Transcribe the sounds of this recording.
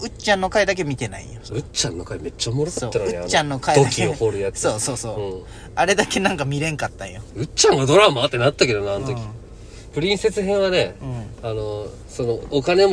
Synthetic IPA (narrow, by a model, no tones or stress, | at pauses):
ɯ̟t͡ɕãnːo̞kaid̪ak̬e̞mʲit̪e̞na̰ḭjosoɯ̟t͡ɕãnːokaime̞t͡ɕːamoɾoksaso̞ːt̪ːanɯ̟ɲiaːt͡ɕːãnːo̞kaiokʲiohoɾɯjat͡sɨso̞ːso̞ːso̞ːɯ̃ | aɾe̞d̪ake̞nãŋkamʲiɾẽ̞ŋkat̪ːã̰joɯ̟t͡ɕãŋɡad̪o̞ɾamaat̪ːe̞nat̪ːake̞d̪onaanot̪okʲi̥ | pɯ̟ɾʲĩɰ̃se̞t͡sɨɦẽ̞ɰ̃βane̞ɯ̃ano̞ | so̞nookane̞m